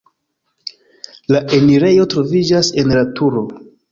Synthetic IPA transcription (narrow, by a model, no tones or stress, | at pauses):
laʔe̞niɾe̞jo̞tɾo̞vid͡ʒase̞nlatʰuɾo̞